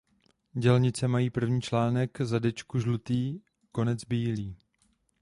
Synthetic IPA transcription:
ɟɛlɲɪt͡sɛmajiːpr̩vɲiːt͡ʃlaːnɛkzadɛt͡ʃkuʒlut̪iː | ko̞nɛd͡zbiːliː

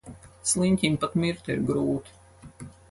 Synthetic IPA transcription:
slˠinʲt̪ʲimpat̪miɾt̪iḭɾɡɾuːt̪ʲi̥

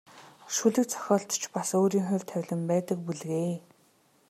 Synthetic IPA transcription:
ʃuɮɘ̆k̚t͡sʰɔ̥xʲɔːɬt̪t͡ɕʰpasoːɾiːŋxʊ̟w̥ʲt̪ʰæwʲɮə̆mpæːt̪ə̆k̚puɮɣeː

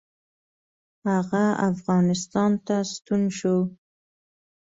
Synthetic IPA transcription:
haɣaa̰fɣɑnɪst̪ɑnt̪ast̪unʃo

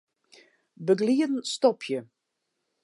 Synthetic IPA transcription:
bəɡliədn̩stɔpʰjə

